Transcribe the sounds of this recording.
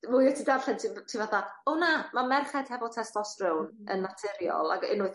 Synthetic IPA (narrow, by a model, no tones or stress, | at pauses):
mʊːjɔtʰidavɬɛntʰitʰivaθaɔnamamɛrχɛd̥hɛvɔlˠtʰɛstlɔsrɪwnə̰nːatʰɪɾjɔ̰lˠa̰ɡɪ̰nʊɨð